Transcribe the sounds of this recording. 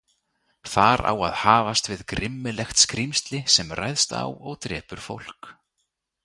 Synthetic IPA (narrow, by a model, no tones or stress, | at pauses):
θaɾa̰wa̰ðhaːvast̪vɪðkɾɪmːɪlɛxt̪skɾimst̪lɪsɛmrajðst̪a̰wɔɣt̪ɾɛ̰ːpʏɾ̥fowl̥k